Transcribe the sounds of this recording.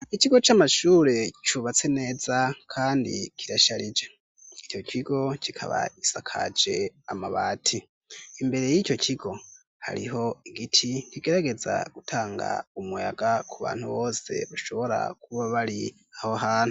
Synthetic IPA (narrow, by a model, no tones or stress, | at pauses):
iciɡo̞t͡ʃamaʃuːɾe̞t͡ʃuβat͡se̞ne̞ːzakʰaːndḭkʰiɾaʃaɾid͡ʒe | ico̞cʰiɡo̞cʰikʰa̰βa̰isakʰa̰d͡ʒe̞amaβaːtʰi | imbe̞ɾe̞jico̞cʰiɡo̞ | ha̰ɾḭɦo̞iɡitʰiniɡe̞ɾaɡe̞za̰ɡ̥utʰaːŋɡa̰umuja̰ɡakʰuβa̰ːnhuβo̞ːse̞̰βaʃo̞βo̞ɾa̰kʰuβaβaɾi | ahoɦaːnhu